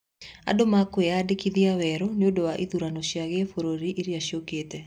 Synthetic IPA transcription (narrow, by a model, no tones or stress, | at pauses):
a̰domakweadɪkiðiawɛɾonjodowaʔiðuɾanoʃjaɣefoɾoɾiʔiɾiaʃioketɛ